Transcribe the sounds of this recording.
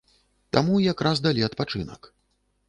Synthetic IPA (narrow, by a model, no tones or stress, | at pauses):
t̪amujakɾazd̪alʲiɐt̪pat͡ʂɨnɐ̰k